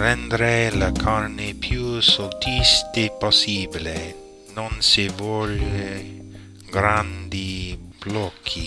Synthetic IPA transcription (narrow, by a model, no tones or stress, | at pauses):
ɾɛnd̪ɾelakʰaɾnepʰjuːsɔlt̪ʰist̪epɔsiːble | nɔnsivoɾe | ɡɾand̪ib̥lɔkʰi